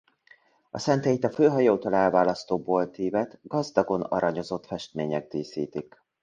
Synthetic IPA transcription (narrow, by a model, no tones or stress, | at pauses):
ɒ̰sɛnt̪ɛjit̪ɒføːɦɒjoːt̪olɛlvaːlɒst̪oːboːlt̪iːvɛt̪ɡ̥ɒzd̪ɒɡo̞nɒ̰ɾɒɲo̞zo̞t̪fɛʃt̪meːɲɛɡ̚d̪iːsiːt̪ik